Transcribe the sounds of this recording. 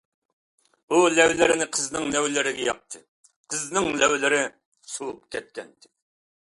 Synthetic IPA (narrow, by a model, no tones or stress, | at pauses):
ulɛwlɪɾɪnɪqʰəznɨŋlɛwlɪɾɪɡʲɛjɑ̰p̚t̪ʰɨ | qʰəznɨŋlɛwlɪɾɪ | sup̚k̪ʲʰɛt̪̚kʲɛnt̪ɪ̥